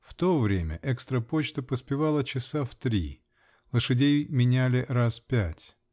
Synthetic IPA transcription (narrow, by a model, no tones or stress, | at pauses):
ft̪ovɾʲemʲə̰ʔɛkst̪ɾəpot͡ɕt̪əpəspʲɪvalˠət͡ɕɪsaft̪ɾʲḭ | lˠəʂɨdʲejmʲɪnʲælʲɪraspʲætʲ